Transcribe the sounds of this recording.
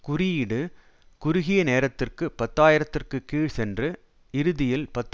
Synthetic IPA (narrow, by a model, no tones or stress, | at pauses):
kʊrɪjɪɽɯ | kʊɾʊɣɪjɐneːɾɐt̪ːɪrkɯpɐt̪ːaːjɪɾɐt̪ːɪrkɯkːiːɻsɛndrɯ | ɪɾɯðɪjɪlpɐt̪ː